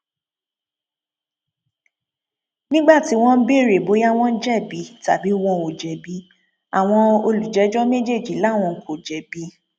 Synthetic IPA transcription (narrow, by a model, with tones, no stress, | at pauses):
nĩ˦ɡ͡ba˦˨ti˨˦w̃ɔ̃˦n̩˦be˦˨ɾe˨bo˨˦ja˦w̃ɔ̃˦n̩˦d͡ʒɛ˦˨bi˨˦ta̰˨bi˨˦w̃ɔ̃˧o˨d͡ʒɛ˨bi˨˦ | a˨w̃ɔ̃˧o˧lu˨d͡ʒɛ˨˦d͡ʒɔ˦me˦d͡ʒe˦˨d͡ʒi˨˦la˨˦˨w̃ɔ̃˧˦kʰo˨d͡ʒɛ˨bi˨˦